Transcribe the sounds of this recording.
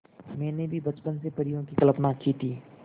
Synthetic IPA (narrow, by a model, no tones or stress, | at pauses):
mɛ̃ːnebʱibɐt͡ʃpənsepɐɽijõkikɐləpnaːkiːt̪ʰiː